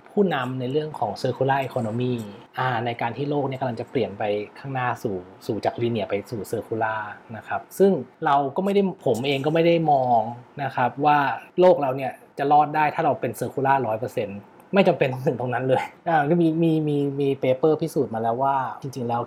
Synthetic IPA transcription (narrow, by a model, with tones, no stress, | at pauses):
pʰuː˥˩na˧mna˧jɾɯ˥˩əŋkʰɔː˩˦ŋsɤː˧kʰu˧laː˥˩ʔe˧kʰoː˧no˧miː˥˩ʔaː˧˩na˧jkaː˧nt̪ʰiː˥˩loː˥˩k̚ni˥˩ka˧la˧ŋt͡ɕa˨˩pli˨˩ənpa˧jkʰaː˥˩ŋnaː˥˩suː˨˩ | suː˨˩t͡ɕaː˨˩k̚li˧˩ni˧˩ə˩pa˧jsuː˨˩sɤː˧kʰuː˧˦laː˥˩na˦˥kʰa˦˥p̚sɯ˥˩ŋɾa˧wkɔː˥˩ma˥˩jda˥˩jpʰo˩˦mʔeː˧ŋkɔː˥˩ma˥˩jda˥˩jmɔː˧ŋna˦˥kʰa˦˥p̚waː˥˩loː˥˩k̚ɾa˧wni˥˩ɐt͡ɕa˨˩lɔː˥˩t̪̚daː˥˩jt̪ʰaː˥˩ɾa˧wpe˧nsɤː˧kʰuː˧˦laː˥˩ɾɔː˦˥jpɤː˧se˧n | ma˥˩jt͡ɕa˧mpe˧nt̪ʰa˥˩ŋsʰɯ˨˩˦ŋt̪oː˧ŋna˦˥nlɤː˧jʔaː˧˩˥miː˧miː˧miː˧miː˧peː˧pɤː˥˩pʰi˦˥suː˨˩t̪̚maː˧lɛː˦˥waː˥˩t͡ɕi˧ŋt͡ɕi˧ŋlɛː˦˥w